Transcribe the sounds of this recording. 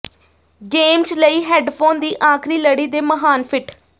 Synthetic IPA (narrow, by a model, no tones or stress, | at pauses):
ɡeːmt͡ʃləiːɦɛːɖpʰoːnd̪iːʔãːkʰɾiːləɽiːd̪eːməɦaːnpʰɪʈʰ